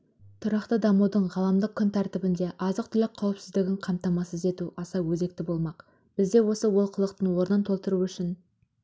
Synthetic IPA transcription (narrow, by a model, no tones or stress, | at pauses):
t̪ʰʊɾɑqt̪əd̪ɑmud̪əɴʁɑlˠɑmd̪əq̚kʲʰːʏnt̪ʰæɾt̪ɪbɪnd̪e̞ʔɑzəqt̪ʰʏlɪk̚qʰɑwɪpsɪzd̪ɪɡʲɪɴqʰɑmt̪ɑmɑsəze̞t̪uʔɑsɑwɵze̞k̚t̪ɪbo̞lˠmɑq | b̥ɪzd̪e̞wo̞səwo̞lˠqʰəlˠəq̚t̪əɴwo̞ɾənɑnt̪ʰo̞lˠt̪əɾuʏʃɪn